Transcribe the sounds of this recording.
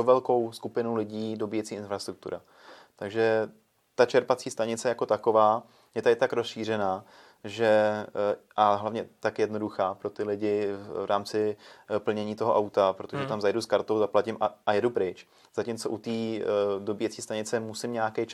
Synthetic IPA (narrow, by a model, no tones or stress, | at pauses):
ovɛlko̞wskupɪnulɪɟiːdo̞biːjɛt͡siːʔɪnfɾast̪ɾuk̚t̪ṵɾa | t̪aɡʒɛ | t̪at͡ʃɛɾpat͡siːst̪aɲɪt͡sɛjako̞t̪ako̞vaː | jɛt̪adɪt̪akɾosʃiːr̝ɛnaː | ʒɛ | ʔaɦlavɲɛt̪akjɛdno̞duxaːpɾo̞t̪ɪlɪɟɪvɾʔaːmt͡sɪpl̩ɲɛɲiːt̪o̞ɦo̞ʔawt̪apɾot̪oʒɛt̪amzajduskaɾt̪owzaplacɪmʔaajɛdupɾɪt͡ʃ | z̥acɪmt͡soʔut̪iːdo̞biːjɛt͡siːst̪aɲɪt͡sɛmusɪmɲɛaakɛjt͡ʃ